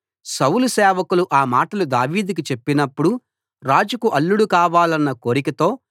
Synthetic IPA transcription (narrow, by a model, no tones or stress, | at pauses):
sɐwulusɛːʋɐkuluʔaːmaːʈɐlud̪aːʋiːd̪ik̬it͡ʃe̞pːinɐpːuɽu | ɾaːd͡ʒukuʔɐlːuɽukaːʋaːlɐnːɐkoːɾikɐt̪o̞ː